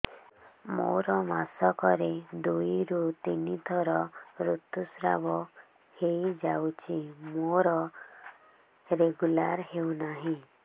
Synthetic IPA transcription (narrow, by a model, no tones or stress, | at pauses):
mo̰ɾɔmasɔkɔɾed̪ujɾut̪inid̪ʱɔɾɔɾut̪usɾa̰bɔ | hejd͡ʒawt͡ʃʰimoɾɔ | ɾeɡulaɾhewnaɦĩ